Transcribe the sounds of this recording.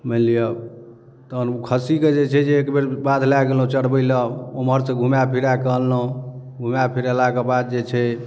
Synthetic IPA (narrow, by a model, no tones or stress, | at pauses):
məlijə | t̪ənukʰəsiked͡ʒet͡ʃʰɛd͡ʒeːkbeɾbad̪laɡelõt͡ʃəɽbəɪləoməɾsẽɡʱumjapʰiɾakəɦlːoɡʱumjapʰiɾalakebad̪̚d͡ʒet͡ʃʰɛ